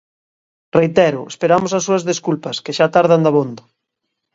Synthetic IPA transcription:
rejt̪ɛɾʊespeɾamosasːuɐzðeskulpɐskeʃat̪aɾðand̪aβond̪o

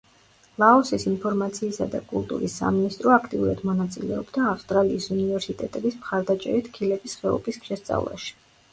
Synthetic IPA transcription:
lˠaɔsisinpʰɔɾmat̪sʰiːsad̪akʼulˠt̪ʼṵɾisːa̰minist̪ʼɾɔakʰt̪ʼiuɾad̪mɔnat̪sʼilɛɔbd̪aːfst̪ʼɾaliːsunivɛɾsit̪ʼɛt̪ʼɛbismχaɾd̪at͡ʃʼɛ̰ɾit̪ʰkʰilɛbisχɛɔ̰pʰʼisʃɛst̪sʼa̰vlˠa̰ʃi̥

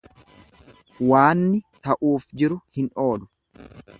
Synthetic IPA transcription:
waːnːɪt̪ɐʔuːfd͡ʒɪɾʊhɪno̞ːd̪ʊ̥

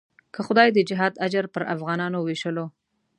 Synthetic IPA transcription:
kəxʊd̪ɑjd̪əd͡ʒɪɦɑd̪ad͡ʒaɾpəɾa̰fɣɑnɑnoweʃəlo

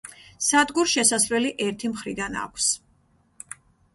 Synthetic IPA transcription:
sad̪ɡuɾʃɛsasɾɛliʔɛɾt̪ʰimχɾid̪ana̰kʷʰs

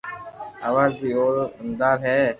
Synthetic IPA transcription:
aːʋaːzbiːoːɾɪnd̪aːɾɦɛː

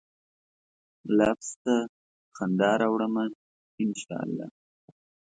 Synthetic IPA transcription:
lɑfst̪a | xand̪ɑːɾawɽəma | ɪnʃɑ̰ːa̰lːɑ̰ː

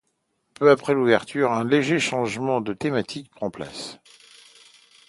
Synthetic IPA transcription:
pøapχɛluvɛʁt̪ʰyʁɛ̃leʒeʃɑ̃ʒmɑ̃d̪ət̪emat̪ʰik̚pχɑ̃pla̰s

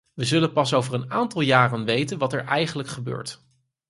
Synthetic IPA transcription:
ʋəzɵlənpɑsowvərənaːntɑlˠjaːrənʋejtənʋɑtɛɹʔɛjχənləkχəbø̰ːɹt

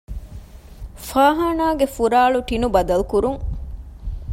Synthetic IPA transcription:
faːɦaːnaːɡefuɾaːɭuʈinubɐd̪ɐlukuɾuŋ

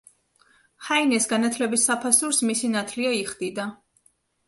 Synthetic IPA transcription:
hainɛsɡanat̪ʰlɛbisːapʰasuɾsmisinat̪ʰliaiχd̪id̪a

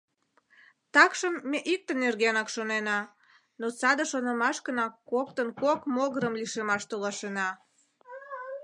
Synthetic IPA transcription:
t̪ɑkʃəmːeʔik̚t̪ənerɣenɑkʃonenɑ | not͡sɑd̪ə̆ʃonəmɑʃkənɑkːok̚t̪ənkokmoɣəɾəmliʃemɑʃt̪olɑʃenɑ

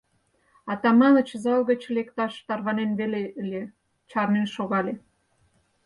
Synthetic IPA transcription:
ɑt̪ɑmɑlət͡ɕzɑlɣət͡ɕlekt̪ɑʃt̪ɑrβɑnenβeleəlʲe | t͡ɕɑrnenʃoɣɑle

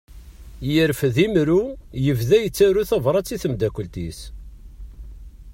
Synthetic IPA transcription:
jəɾfðimɾujəvðæjət͡sːæɾuθævɾˤɑt͡sːiθəmd̪ækʷːlt̪ḭs

